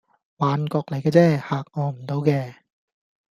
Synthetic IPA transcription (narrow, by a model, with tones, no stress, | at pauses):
waː˨˧nkɔː˧k̚lɐ˨˩jkɛː˧˥t͡sɛː˥˩haː˨˩k̚ʔɔː˧m̩˨˩nt̪o˧wkɛː˧